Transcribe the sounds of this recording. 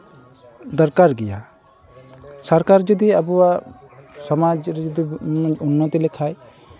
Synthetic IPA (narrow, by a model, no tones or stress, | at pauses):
d̪ɔɾkaɾɡɛja̰ | sɔɾkaɾd͡ʒɔd̪iabuwa | sɔmad͡ʒɾɛd͡ʒɔd̪iunːɔt̪ilɛkʰaj